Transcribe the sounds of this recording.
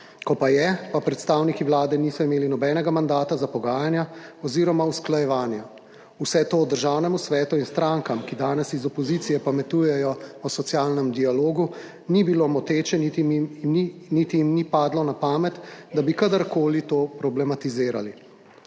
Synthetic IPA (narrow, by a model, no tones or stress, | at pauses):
kɔpajɛpapɾɛt̪st̪aːwnikiʋwlaːd̪ɛniːsɔimeːlinɔbɛːnɛɡamand̪aːt̪azapɔɡaːjanjaɔziːɾɔmausklajɛʋaːnja | usɛt̪oːd̪əɾʒaːwnɛmusʋɛːt̪uinst̪ɾaːŋkamkid̪aːnɛsizɔpɔziːt̪sijɛpamɛt̪uːjɛjɔɔsɔt̪sjaːlnɛmd̪ialoːɡu | nibilomɔt̪eːt͡ʃɛnit̪i | nit̪ijimnipaːd̪lɔnapaːmɛt̪d̪abikad̪aɾkoːlit̪oːpɾɔblɛmat̪izeːɾa̰li